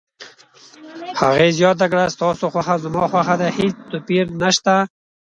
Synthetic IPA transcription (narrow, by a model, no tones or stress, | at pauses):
haɣezjɑt̪̬ak̬ɽast̪ɑsoxwaxazʊmɑxwaxad̪ahet͡st̪ʊpiɾnaʃt̪a